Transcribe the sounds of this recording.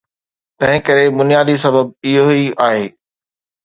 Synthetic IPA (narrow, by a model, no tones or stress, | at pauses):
t̪ɐ̃ɦɪ̃kɐɾebʊnijaːd̪isɐbəb̚ɪɦoiaːɦeː